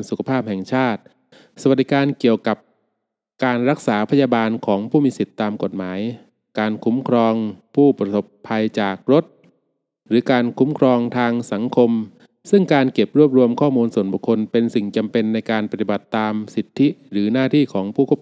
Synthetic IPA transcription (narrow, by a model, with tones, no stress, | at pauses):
su˨˩kʰa˧˩pʰaː˥˩p̚hɛ˨˩ŋt͡ɕʰaː˥˩t̪̚ | sa˧˩wa˨˩d̪i˦˥kaː˧nki˨˩əwka˨˩p̚ | kaː˧nɾa˦˥k̚saː˩˦pʰa˧jaː˧baː˧nkʰɔː˩˦ŋpʰuː˥˩miː˧si˨˩t̪ːaː˧mko˨˩t̪̚maː˩˦j | kaː˧nkʰu˩˦mkʰɾɔː˧ŋpʰuː˥˩pɾa˧so˨˩pʰːa˧jt͡ɕaː˨˩k̚ɾo˦˥t̪̚ | ɾɯː˩˦kaː˧nkʰu˩˦˥mkʰɾɔː˧ŋt̪ʰaː˧ŋsa˩˦ŋkʰo˧m | sɯ˥˩ŋkaː˧nke˨˩p̚ɾu˥˩əp̚ɾu˧əmkʰɔː˥˩muː˧nsu˨˩ənbu˨˩kʰːo˧npe˧nsi˨˩ŋt͡ɕa˧mpe˧nːa˧jkaː˧npa˧t̪i˨˩ba˨˩t̪ːaː˧msi˨˩t̪ʰːi˦˥ɾɯː˩˦naː˥˩t̪ʰiː˥˩kʰɔː˩˦ŋpʰuː˥˩kʰː